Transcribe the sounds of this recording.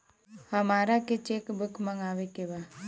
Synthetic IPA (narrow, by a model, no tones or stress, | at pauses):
hamaɾaket͡ʃekbəkmaŋawekewa